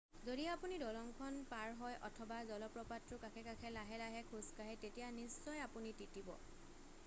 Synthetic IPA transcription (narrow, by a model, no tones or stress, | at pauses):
zodiapunidɔlɔŋkʰɔnpaɹɦɔjʔɔ̰tʰɔbazɔlɔpɹɔpatɹʊkakʰɛkakʰɛlaɦɛlaɦɛkʰuskaɦɛtetijanisːɔjapunititibɔ̰